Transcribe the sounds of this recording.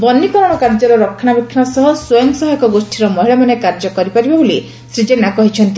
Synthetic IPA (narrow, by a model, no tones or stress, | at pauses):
bɔnːikɔɾɔɽ̃ɔkaɾd͡ʒɔɾɔɾɔkʰːaɽ̃abikʰːanɔsɔɦɔsojɔŋsɔɦɔjɔkɔɡosʈʰiɾɔmɔɦiɭɔmanekaɾd͡ʒɔkɔɾipaɾibaboli | sɾid͡ʒenakɔɦit͡ʃʰɔnt̪i